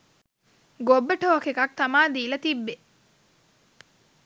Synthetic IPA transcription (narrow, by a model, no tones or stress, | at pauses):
ɡobːəʈoːkekɐk̚t̪amaːd̪iːlɐt̪ibːe